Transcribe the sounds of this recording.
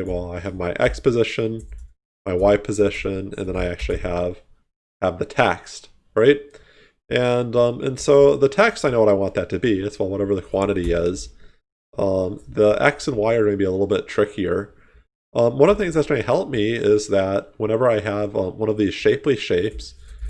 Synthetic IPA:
wɛlˠaɪɨvmaɪʔɛ̰kspɨzɪʃɨ̃n | maɪwaɪpʰɨzɪʃɨ̃nɨ̰̃nðɨ̃ñaɪæk̚t͡ʃʉl̩ˠiəv̥ | əvðɨtʰɛ̰kst | ɹaɪt̚ | ʔɨ̃nʌ̃mʔɨ̰̃nsoʊðətʰɛkstaɪnoʊwʌɾaɪwɑ̃nðɨtʰɨbiɨtswɛlˠwʌɾɛvə˞ðɨkʰw̥ɑ̃ɾ̃ɨɾiɪz̥ | ʔʌ̃mðiʔɛ̰ksə̃nwaɪə˞ɡʌ̃nɨbiəlɪɾl̩ˠbɪtʰɹ̥ɪkʰiə˞ | ʔʌ̃mwʌ̃nʌvðəθɪ̃ŋzðɨtsɡ̥ʌ̃nɨhɛlˠp̚miɪzðɨt̚wə̃ɾ̃ɛvə˞aɪəvʌ̃mwʌ̃nʌvðiz̥ʃeɪpliʃeɪps

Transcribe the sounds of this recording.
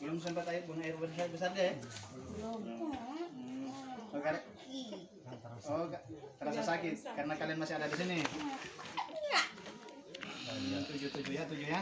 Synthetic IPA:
lums̬əmpat̪ajiʔ̚buŋajɛʔbəsabəs̬ardɛ | ɔka | ɔkak̪əɾasasakɪt̪̚karnakalianmasɪɦadadisini | a | t̪ud͡ʒut̪ud͡ʒujat̪ud͡ʒuja

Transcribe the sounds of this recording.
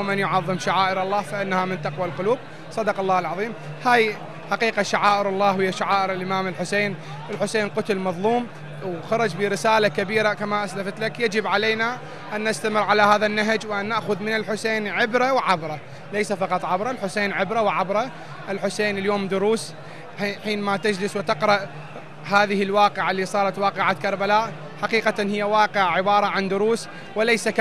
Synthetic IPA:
mɪnjʊʕɑðˤːɨmʃaʕaːʔɪɾɑlˤːɑːfaʔɪnːahamɪnt̪ɑqwalqʊluːb̚ | sˤɑd̪ɑqɑlˤːɑːlʕɑðˤiːm | haːj | ħaqiːqaʃaʕaːʔɪɾɑlˤːɑːhɪjːaʃaʕaːʔɪɾɪlʔɪmaːmɪlħʊseːn | ʔɪlħʊseːnqʊt̪ʊlmɑðˤluːm | wxɑɾˤɑd͡ʒbiɾɪsaːlakabiːɾakamaʔaslafat̪lakjad͡ʒɪbʕaleːna | ʔanːast̪amɪrʕalahaːðanːaɦd͡ʒwʔanːaʔxʊðmɪnɪlħʊseːnʕɪbɾawʕabɾˤɑ | lejsafɑqɑt̪ˤʕabɾˤɑlħʊseːnʕɪbɾawʕabɾˤɑ | ʔɪlħʊseːnɪljoːmd̪ʊɾuːs | ħiːnmat̪ad͡ʒlɪswɪt̪ɪqɾˤɑʔ | haːðɪhɪlwɑːqɪʕalːiːsˤɑːɾˤɑt̪wɑːqɪʕakɑɾˤbalaːʔ | ħaqiːqanhɪjːawɑːqɪʕʕɪbɑːɾˤɑʕand̪ʊɾuːs | wɪlajsak

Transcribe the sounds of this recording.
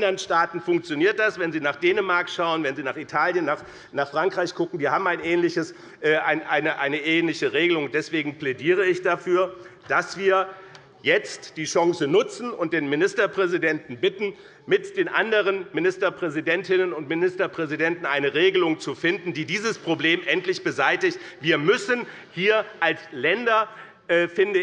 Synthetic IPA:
ndɐənʃtaːtn̩fʊŋkt͡sjoniːɐt̚d̥asvɛnziːnaːχd̥eːnəmaɐkʃaʊənvɛnziːnaːχitʰaːljənːaːχ | naːχfʁ̥aŋkʁ̥aɪçɡ̥ʊkŋ̩viːɐhaːbm̩aɪnʔɛːnlɪçəs | ʔɛːʔaɪnʔaɪnəʔaɪnəʔeːnlɪçəʁeːɡəlʊŋʊnd̥ɛsv̥eːɡŋ̩plɛdiːʁəɪçd̥afyːɐd̥asv̥iːɐ | jɛt͡std̥iːʃɔŋsənʊt͡sn̩ʊnt̚d̥eːnmɪnɪstɐpʁ̥ɛzidɛntn̩bɪtn̩ | mɪtd̥eːnʔandəʁənmɪnɪstɐpʁ̥ɛzidɛntɪnənʊntmɪnɪstɐpʁ̥ɛzidɛntn̩ʔaɪnəʁeːɡəlʊŋt͡sufɪndn̩diːdiːzəspʁ̥obleːmʔɛntlɪçb̥əzaɪtɪçtv̥iːɐmʏsən | hiːɐʔalslɛndɐ | ʔɛːfɪndə

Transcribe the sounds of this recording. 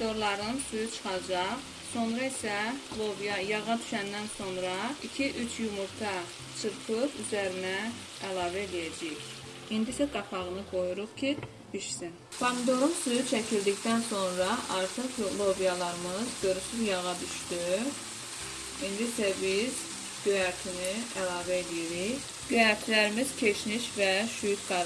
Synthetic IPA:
d̪o̞ɾlˠɑɾɯnsyjyt͡ʃʰɯ̥χɑd͡ʒɑχ | so̞nɾɑisælˠovijɑjɑʁɑd̪y̥ʃænd̪ænso̞nɾɑicʰiʔyt͡ʃʰjumuɾt̪ʰɑ | t͡ʃʰɯɾpʰɯɾyzæɾinæː | lˠɑːvæelijæd͡ʒɛç | ind̪isæɡɑpʰɑʁɯnɯɡo̞juɾuχcʰi | d̪̥yʃsin | fɑnd̪oɾunsyyt͡ʃʰæcʰild̪icd̪ænso̞nɾɑʔɑɾt̪ʰɯχjolˠo̞vijɑlˠɑɾɯmɯzɡøɾysyzjɑʁɑd̪yʃt̪y | ind̪isæbiz̥ | ɡ̥øjæɾt̪ʰiniælˠɑːvæelijiɾiç | ɟ̥øjæɾt̪ʰlæɾimiz̥cʰe̞ʃniʃvɛʃyjyt̪ɡ̥ɑɾ

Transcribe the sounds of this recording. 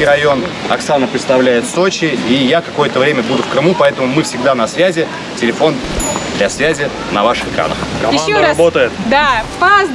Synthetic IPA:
ijɾɐjo̞n | ɐksanəpɾʲɪt̪st̪ɐvlʲæjɪt̪so̞t͡ɕɪijakɐko̞jət̪əvɾʲemʲəbud̪ʊfkɾɨmupɐɛt̪əmʊmɨfsʲɪɡ̚d̪anɐsvʲæzʲɪ | tʲɪlʲɪfo̞nd̪lʲɐsvʲæzʲɪ | nɐvaʂɨxɨkɾa̰nə̰xɡɐmɪaoabot̪əjɪt̪d̪afaz

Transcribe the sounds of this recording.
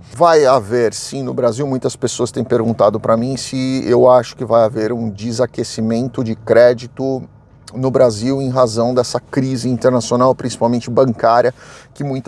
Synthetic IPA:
vajaveɾsĩnʊbɾaziwmũj̃t̪ɐspesoɐst̪ẽj̃peɾɡũnt̪ad̪ʊpɾɐmĩsɪewaʃʊ̥kɪvajaveɾũd͡ʒɪzakesimẽnt̪ʊd͡ʒɪkɾɛd͡ʒit̪ʊ | nʊbɾaziwẽj̃ɦazɐ̃w̃d̪ɛsɐkɾizɪĩnt̪eɾnasionawpɾĩsi̥pawmẽnt͡ʃɪbɐ̃ŋkaɾjɐkɪmũj̃t̪

